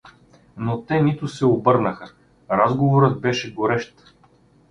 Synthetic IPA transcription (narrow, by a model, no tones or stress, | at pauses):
not̪ɛnit̪ʊsɛobɤɾnəxə | ɾazɡovoɾət̪̚bɛʃɛɡoɾɛʃt̪